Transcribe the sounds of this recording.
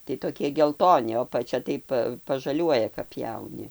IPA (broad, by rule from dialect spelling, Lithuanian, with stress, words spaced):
tɐɪ toːˈkʲiɛ ɡʲɛlˠˈtoːnʲɪ oː ɐpɐˈt͡ʃʲɛ ˈtɐɪ pɐ pɐʒɐˈlʲuɔjɛ kɐp ˈpʲjɛʊnʲɪ